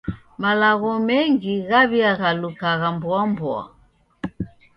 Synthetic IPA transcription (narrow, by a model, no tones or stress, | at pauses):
malaɣɔmɛŋɡiɣaβiaɣalukaɣambwambua̰